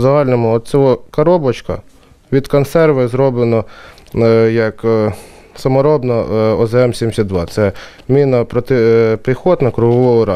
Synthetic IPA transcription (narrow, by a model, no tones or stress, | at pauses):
zɐɦɑlʲnɔmʊɔt̪̚t͡sʲɔɦɔkɐɾɔbɔt͡ʃkɐ̰ | ʋʲid̪kɔnsɛrʋɪzɾɔblˠenɔ | jɐk | sɐmɔɾɔbnɐɔzɛmsʲimʲsʲɐd̪d̪ʋɑ̰t̪sɛ | mʲinɐpɾɔt̪ɪpɾɪxɔt̪nɐkɾʊɦɔʋɔɦɔɾɑ